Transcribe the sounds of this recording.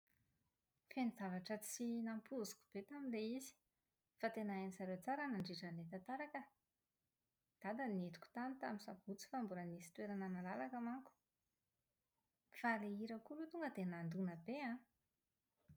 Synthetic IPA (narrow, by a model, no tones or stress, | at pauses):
fenizavaʈ͡ʂət͡sinampuzu̥ku̥b̥et̪aminleizi̥ | fat̪enaenisaɾewt͡saɾanaɳɖ͡ʐiʈ͡ʂanlet̪at̪aɾakə | d̪̥ad̪anet̪u̥ku̥t̪ant̪aminsav̥ut͡si̥fambuɾanisi̥t̪weɾananəlalakamaŋku̥ | faleiɾakulut̪uŋɡəd̪enand̪unəbeã